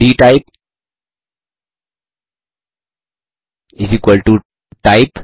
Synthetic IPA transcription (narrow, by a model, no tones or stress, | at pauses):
ɖiːʈaɪp̚ | ɪsikwəlʈu | ʈaɪp